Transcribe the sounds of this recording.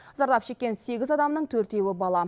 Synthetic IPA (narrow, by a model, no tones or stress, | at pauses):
zɑɾlˠɑpʃe̞kʲːe̞nse̞ɡʲɪzɑd̪ɑmnəɴt̪ʰɵɾt̪e̞wɪbɑlˠɑ